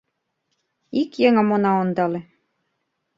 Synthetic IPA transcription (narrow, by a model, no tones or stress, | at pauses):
ikjeŋə̆monɑond̪ɑlĕ